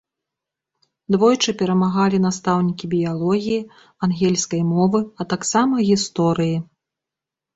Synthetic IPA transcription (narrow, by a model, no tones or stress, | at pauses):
d̪vɔjt͡ʂɨpʲɛɾɐmaɣalʲin̪ast̪awnʲikʲibʲijalˠɔɣʲiji | anɣʲɛlʲskɐjmɔvɨɐt̪aksamɐɣʲist̪ɔɾɨji